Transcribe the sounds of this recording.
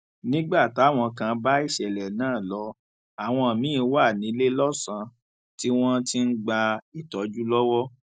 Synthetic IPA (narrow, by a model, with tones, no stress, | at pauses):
nĩ˦ɡ͡ba˦˨tw̃ɔ̃˧kã˧ba˦i˦˨ʃɛ˨lɛ˨nãː˦˨lɔ˨˦ | a˨w̃ɔ̃˧a˨mĩ˨˦˧wa˦˨nĩ˨˦le˦lɔ˦sã˧ | ti˦w̃ɔ̃˦ti˦n̩˦ɡ͡ba˧i˨tɔ˨d͡ʒu˦lɔ˦wɔ˦